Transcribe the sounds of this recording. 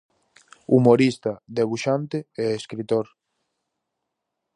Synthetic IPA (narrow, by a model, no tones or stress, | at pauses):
umoɾist̪aðeβuʃant̪eɛeskɾit̪oɾ